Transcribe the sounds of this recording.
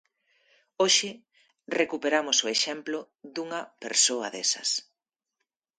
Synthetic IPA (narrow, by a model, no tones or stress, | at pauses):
oʃɪ | rekupeɾamʊsoeʃɛmplʊ | ðuŋɐpḛɾsoɐ̰ðḛsɐ̰s